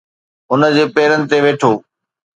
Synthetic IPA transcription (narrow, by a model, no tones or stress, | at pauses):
ʊnəd͡ʑeːpeːɾənɪ̆t̪eʋeːʈʰoː